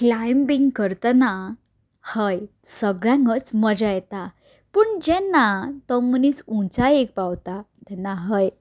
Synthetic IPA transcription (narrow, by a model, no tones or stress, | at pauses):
klajmbiŋɡkəɾt̪əna | həj | səɡɭjãŋɡət͡sməd͡ʑajɛt̪a | pəɳd͡ʑɛnːat̪ɔmənisũt͡saek̚pawt̪at̪ɛnːaɦəj